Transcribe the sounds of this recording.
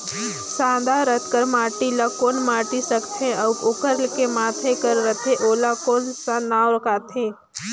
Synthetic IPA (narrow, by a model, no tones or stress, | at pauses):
sãːd̪ʱaɾət̪ʰkəɾmaːʈilakoːnmaːʈisəkt̪ʰẽɐwkʊkəɾlkemaːt̪ʰekəɾːət̪ʰeʔoːlakoːnsãnaːwɾəkʰaːt̪ʰẽː